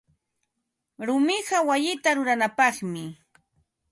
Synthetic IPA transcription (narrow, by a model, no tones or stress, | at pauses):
ɾʊmɪɢɑwajɪt̪aɾʊɾanapɑχmɪ